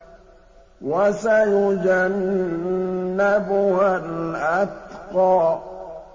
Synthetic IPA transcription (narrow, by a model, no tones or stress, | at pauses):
wasajʊd͡ʒan | abʊhalʔat̪qɑː